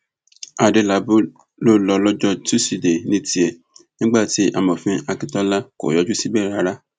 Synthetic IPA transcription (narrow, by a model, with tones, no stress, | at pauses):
a˨de˧la˨˦bu˦ | lo˦lɔ˧lɔ˦d͡ʒɔ˦tu˦si˨de˨nĩ˦ti˧ɛ˨ | nĩ˦ɡ͡ba˦˨ti˨˦ʔa˧mɔ̃˨fĩ˨˦a˧ki˦tɔ˦la˦ko̰˨jɔ˨˦d͡ʒu˦si˦bɛ˦˨ɾa˨˦ɾa˦